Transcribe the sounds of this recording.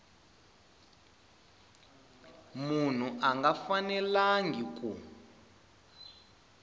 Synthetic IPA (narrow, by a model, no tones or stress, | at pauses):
mun̤uʔaŋɡafanɛlaŋɡik̬ʼu